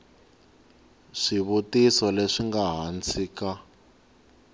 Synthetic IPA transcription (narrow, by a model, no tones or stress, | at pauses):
ʂiβutisɔleʂiŋɡaɦant͡sʰiːka